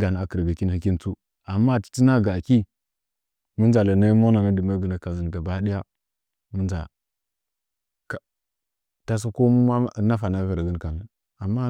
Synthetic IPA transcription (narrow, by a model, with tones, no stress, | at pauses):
ɡa˨n˨a˨kə˨ɾɡə˨ki˦nhi˦kʲi˦n˦t͡su˦ | a˨mːa˦˨ti̥˨ti˦na˦ɡa˨a˨ki˦ | mu˦nd͡ʒa˨la˨na˦mo˦na˨ma˦di˨ma˦ɡə˨na˨ka˨zi˨n˨ɡa˨ba˦di˦ja˦ | mu˦nd͡ʒa̰˨ | ka˨ | ta˦s̬a˦ko˦mu˦ma˦na˦fa˨na˦və˨ɾɡə˦nka˨mə˨ | a˨mːa˦